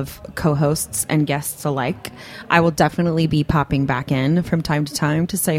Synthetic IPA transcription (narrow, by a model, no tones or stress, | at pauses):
ʌv̥kʰoʊɦoʊstsɨ̰̃nɡɛstsəlaɪk | ʔaɪwəlˠdɛfənətˡlibipʰɑpɪ̃ŋbækɪ̃nfɹʌ̃mtʰãɪ̃mtʰɨ̥tʰãɪ̃mtʰɨseɪ